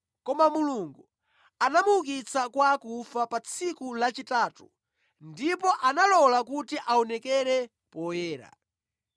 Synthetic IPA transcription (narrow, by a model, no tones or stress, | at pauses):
kɔmamuluŋɡu | anamuuk̬it͡sakwaːkufapat͡sʰikulat͡ʃitaːtu | ndipɔʔanalɔlakutiʔaɔnɛkɛɾɛ | pɔjɛːɾa̰